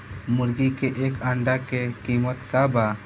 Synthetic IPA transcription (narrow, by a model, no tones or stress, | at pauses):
muɾɡikɛʔɛkaɳɖakɛkimɔt̪kaba